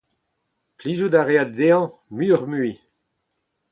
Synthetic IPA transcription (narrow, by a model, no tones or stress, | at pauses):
plizud̪aʁead̪̚d̪eɑ̃myːʁmyi